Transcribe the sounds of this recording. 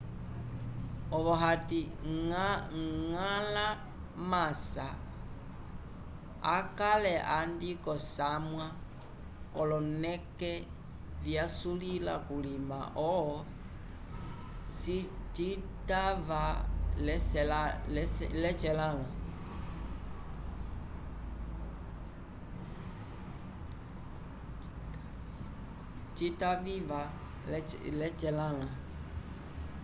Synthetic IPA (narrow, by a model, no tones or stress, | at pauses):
ɔβɔɦati | ŋala | masa | akalɛʔandikɔsamwa | kɔlɔnɛkɛ | vjasulila̰kulima̰ʔɔɔ | sit͡ʃi | tavalɛsɛlalɛt͡ʃɛlãlã | t͡ʃitaviva | lɛt͡ʃɛlãlã